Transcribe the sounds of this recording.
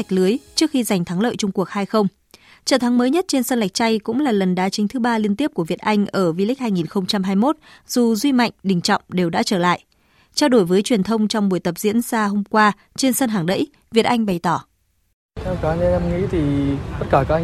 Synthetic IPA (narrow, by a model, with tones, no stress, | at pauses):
jk̟̚lɨ˨˦əjt͡ɕɨ˦˥ək̚xi˧za˨˩jŋ̟t̪ʰa˨˦ŋlə̰ː˧˨jt͡ɕɔ˧ŋ͡mku˨˩ək̚haː˧jxə˧wŋ͡m | t͡ɕə̰ː˧˩t̪ʰŋməː˨˦jɲə˦˥t̚t͡ɕe˧nsəː˧nla˨˩jk̚t͡ɕa˧jkʊ̰˧˥ŋ͡mlaː˨˩lə˨˩nɗaː˨˧˥t͡ɕï̟˨˦t̪ʰɨ˨˦ɓaː˧li˧ənt̪i˦˥əp̚ku˧˩əvi˨˩ət̚ʔa˧jŋ̟ʔəː˧˩vi˧lï̟˦˥haː˧jŋi˨˩nxə˧wŋ͡mt͡ɕa˧mɦaː˧jmo˦˥t̚z̥u˨˩zwi˧ma̰˧˨jŋ̟ɗï˨˩ŋ̟t͡ɕɔ̰˧˨wŋ͡mɗe˨˩wɗa̰ː˧˥t͡ɕəː˧˩la̰ː˧˨jʔ | t͡ɕa˧wɗo˧˩jvəː˨˦jt͡ɕwi˨˩ənt̪ʰə˧wŋ͡mt͡ɕɔ˧wŋ͡mɓu˧˩əjt̪ə˨˩p̚zḭ˧˥ənsaː˧ɦo˧mkwaː˧ | t͡ɕe˧nsə˧nɦaː˨˩ŋɗə̰˧˥j | vi˨˩ət̚ʔa˧jŋ̟ɓa˨˩jt̪ɔ˧˩ | t̪ʰɛ˧wka˨˦˧ɛ˧mŋḭ˧˥t̪ʰi˨˩t̪ə˦˥t̚kaː˧˩kaː˦k̚ʔa˧